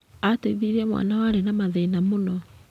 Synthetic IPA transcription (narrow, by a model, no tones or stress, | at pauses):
ateβiɾiɛmwa̰nawaɾenamaðeinamonɔ